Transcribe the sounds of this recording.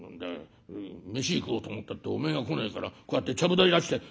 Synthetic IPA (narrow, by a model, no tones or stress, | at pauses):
nõnd̪ḛ | me̞ɕiːkɯoːt̪oːmot̪ːat̪ːeome̞ŋɡakoneikaɾa̰kojat̪ːe̞t͡ɕabɯ̟d̪aɾid̪aɕi̥t̪e̞